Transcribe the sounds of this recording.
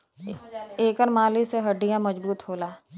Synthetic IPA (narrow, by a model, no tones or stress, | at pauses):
eːkəɾmaːliseɦəɖɪjãməzbuːt̪ɦoːlaː